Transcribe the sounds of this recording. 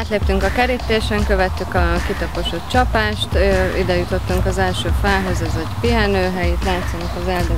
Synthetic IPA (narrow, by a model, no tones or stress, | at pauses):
aːt̪leːpt̪yŋkɒkɛɾit̪ːeːʃɛŋkø̞vɛt̪ːykɒkit̪ɒpo̞ʃot̪t͡ʃɒpaːʃt̪øid̪ɛjut̪o̞t̪ːuŋkɒzɛlʃøːfalɦøzɛzɒɟpiɦɛnøːɦɛjit̪laːt̪sonɒkɒzɛld̪ø